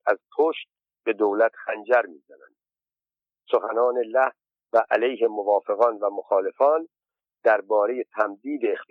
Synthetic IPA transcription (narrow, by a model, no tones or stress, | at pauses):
æz̥pʰoːʃt̪̚ | be̞d̪owlæt̪ʰxænd͡ʒæɾmiːzænæ̰nd̪̥ | soxænɒːne̞læh | væʔælejɦe̞movɒːfe̞ɣɒːnvæmoxɒːle̞fɒːn | d̪æɾbɒːɾe̞je̞t̪ʰæmd̪iːd̪eːxt̪